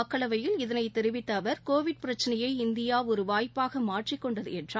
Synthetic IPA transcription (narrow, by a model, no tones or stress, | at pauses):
ɐkːɐɭɐʋɐjɪlɪðɐnɐɪt̪ːɛɾɪʋɪt̪ːɐːʋɐɾkoːʋɪɖ̚pɪɾɐt͡ʃːɐnɐjɐɪɪnd̪ɪjaːɔɾɯʋaːjpːaːɣɐmaːʈrɪkːɔɳɖɐðɯɛndraː